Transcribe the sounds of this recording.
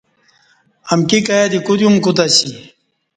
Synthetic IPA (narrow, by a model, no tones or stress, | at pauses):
ɐmkikajad̪ikud̪jumkut̪aɕi